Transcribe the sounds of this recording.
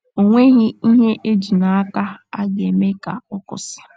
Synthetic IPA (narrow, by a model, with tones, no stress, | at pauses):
o˨ŋʷe˦ɦɪ˦i˦ɦe˦ʔe˦d͡ʒi˨na˨a˦ka˦a˦ɡe˨me˦ka˨ɔ˦kʊ̰˨sɪ̥˨